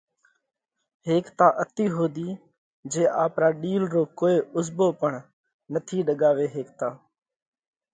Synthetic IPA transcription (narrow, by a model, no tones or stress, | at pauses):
ɦeːkt̪aːʔət̪iːɦoːd̪iː | d͡ʒeːʔaːpɾaːɗiːlɾoːkoːeːʔʊzboːpəɳ | nət̪ʰiːɗəɠaːʋeːɦeːk̚t̪aː